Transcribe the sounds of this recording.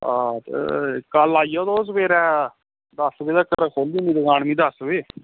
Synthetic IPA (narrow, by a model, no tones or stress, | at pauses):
aːt̪ḛkəlaːijoːd̪oːs̬beːɾɛː | d̪əsbeːd̪akəɾkʰoːlĩːnĩːd̪əɡãːɳmĩːd̪əsʋeː